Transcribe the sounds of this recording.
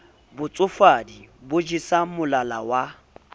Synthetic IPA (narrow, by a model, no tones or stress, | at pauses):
bʊt͡sʼʊfadibʊd͡ʒisamʊlalawa